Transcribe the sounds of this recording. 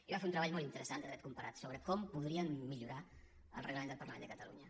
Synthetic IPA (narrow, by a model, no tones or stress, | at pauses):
iβafeunt̪ɾəβaʎmɔlˠt̪int̪əɾəsand̪əðɾɛt̪kumpəɾat̪soβɾəkɔmpuðɾiəmːiʎuɾa | ə̰lˠrəɣləmẽnd̪lˠpərləmenəkət̪əlṵɲə